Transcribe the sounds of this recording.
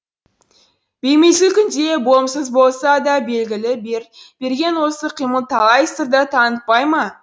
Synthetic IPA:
b̥ejmejsɪkʲʏnd̪e̞bo̞msəzbo̞lˠsɑd̪ɑbe̞lɡʲɪlɪbeɾb̥e̞ɾɡʲe̞nwo̞səqʰijməlˠt̪ʰɑlˠɑjəst̪əɾd̪ət̪ʰɑnət̪̚pɑjmɑ

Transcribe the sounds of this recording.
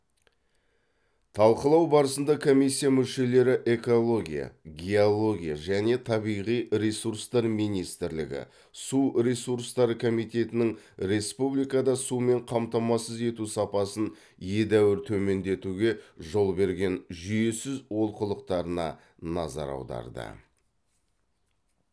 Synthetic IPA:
t̪ʰɑlˠqəlˠɑwbɑɾəsənd̪ɑkʰo̞mijsʲːijamʏʃe̞le̞ɾɪʔe̞ko̞lˠo̞ɡʲḭja̰ɡʲeolˠo̞ɡʲija̰ʒæne̞t̪ʰɑbijʁijɾe̞suɾst̪ɑɾmijnijst̪ɪɾlɪ̰ɡʲɪ̰ | suɾe̞suɾst̪ɑɾəkʰo̞mijt̪e̞t̪ɪnɪŋ | ɾe̞spublijkɑd̪ɑsume̞ɴqʰɑmt̪ɑmɑsəze̞t̪usɑpɑsən | je̞d̪æwɪɾt̪ʰɵme̞nd̪e̞t̪uɡʲe̞ʒo̞lˠbe̞ɾɡʲe̞nʒʏje̞sɪzwo̞lˠqəlˠəq̚t̪ɑɾənɑ̰ | nɑ̰zɑ̰ɾɑ̰wd̪ɑ̰ɾd̪ə̰

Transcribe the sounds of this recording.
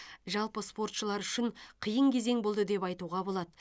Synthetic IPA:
ʒɑlˠpəspo̞rt̪ʃəlˠɑɾʏʃɪɴqʰijəɴkʲʰeze̞ŋbo̞lˠd̪əd̪e̞pɑjt̪uʁɑbo̞lˠɑd̪ə

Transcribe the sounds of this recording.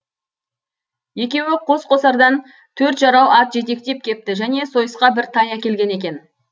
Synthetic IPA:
je̞kʲe̞wɪqʰo̞sqo̞sɑɾd̪ɑn | t̪ʰɵɾt̪ʒɑɾɑwʔɑt̪ʒe̞t̪e̞k̚t̪e̞p̚kʲʰe̞p̚t̪ɪʒæne̞so̞jəsqɑbɪɾt̪ʰɑjækʲe̞lɡʲe̞ne̞kʲe̞n

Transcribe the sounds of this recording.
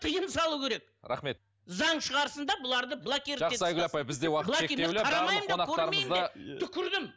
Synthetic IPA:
t̪ʰəjəmsɑlˠuwkʲʰe̞ɾe̞k̚ɾɑ̰χme̞t̪̚ | zɑɴʃəʁɑɾəsənd̪ɑbʊlˠɑɾd̪əblˠakʲeɾʒɑesɑjɡʲʏlɑpɑjbɪzd̪ewɑqəlˠeeeleɑɾɑmɑjmonɑqkʰɵt̪ɑɾəmeməjmd̪dɑet̪ʰʏkʲʰɪɾd̪ɪm

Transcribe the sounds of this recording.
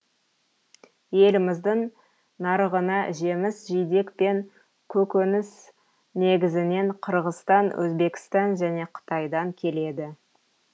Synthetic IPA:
je̞lɪmɪzd̪ɪɴ | nɑɾəʁənɑʒe̞mɪsʒijd̪e̞kpe̞ŋ | kʲʰɵkʲɵnɪs | ne̞ɡʲɪzɪne̞ɴqʰəɾʁəst̪ɑnwʔɵ̰zbe̞kʲɪ̥st̪ɑnʒæne̞qʰə̥t̪ʰɑjd̪ɑŋkʲʰe̞le̞d̪ɪ

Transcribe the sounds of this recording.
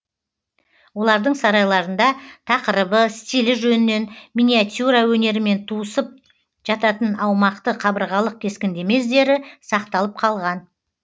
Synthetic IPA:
wo̞lˠɑɾd̪əɴsɑɾɑjlˠɑɾənd̪ɑt̪ʰɑqəɾəbəst̪ʲilɪʒɵnɪne̞nmʲinʲijat̪ʲjuɾɑwɵne̞ɾɪme̞nt̪ʰuəsəp̚ | ʒ̥ɑt̪ɑt̪ənɑwmɑqt̪əqʰɑbəɾʁɑlˠəq̚kʲʰe̞skʲɪnd̪e̞me̞zd̪e̞ɾɪsɑqt̪ɑlˠəp̚qʰɑlˠʁɑn

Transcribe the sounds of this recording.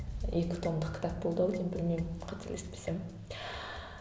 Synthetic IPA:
ekʲɪ̥t̪ʰo̞md̪əqkʰʲɪ̥t̪ak̚bolˠd̪əwek̪ʲʰenbɪlmejmqʰɑt̪ʰeɾlespesem

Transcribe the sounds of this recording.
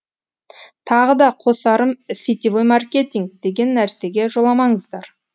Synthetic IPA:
t̪ʰɑʁəd̪ɑqʰo̞sɑɾəmsit̪ivojmɑrkʲe̞t̪ʲiŋk̚d̪̥e̞ɡʲe̞nːæɾse̞ɡʲe̞ʒo̞lˠɑmɑɴəzd̪ɑɾ

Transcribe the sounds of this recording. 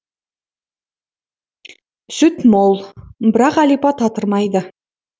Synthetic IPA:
sʏt̪molˠbɪɾɑqælijpɑt̪ʰɑt̪əɾmɑjd̪ə

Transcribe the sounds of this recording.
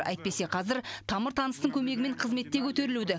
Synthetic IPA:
æ̰jt̪̚pe̞se̞qʰɑzɪɾt̪ʰɑməɾt̪ʰɑnəst̪əɴkʲʰɵme̞ɡʲɪme̞ɴqʰəzme̞t̪ːe̞kʲʰɵt̪e̞ɾɪlud̪ɪ

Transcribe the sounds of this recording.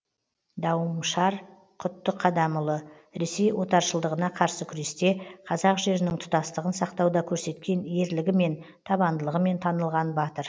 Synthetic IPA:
d̪ɑwəmʃɑɾ | qʰʊt̪ːəqʰːɑd̪ɑməlˠə | ɾe̞se̞jwo̞t̪ɑɾʃəlˠd̪əʁənɑqʰɑɾsəkʲʰʏɾe̞st̪e̞qʰɑzɑqʒe̞ɾɪnɪŋt̪ʰʊ̥t̪ɑst̪əʁənsɑqt̪ɑwd̪ɑkʲʰɵɾse̞t̪kʲe̞nje̞ɾlɪɡʲɪme̞n | t̪ʰɑbɑnd̪əlˠəʁəme̞nt̪ʰɑnəlˠʁɑnbɑt̪əɾ

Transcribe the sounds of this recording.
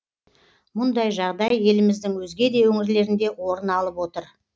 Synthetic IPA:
mʊnd̪ɑjʒɑʁd̪ɑje̞lɪmɪzd̪ɪŋwɵzɡʲe̞d̪e̞wɵŋɪɾle̞ɾɪnd̪e̞wo̞ɾənɑlˠəpwo̞t̪əɾ

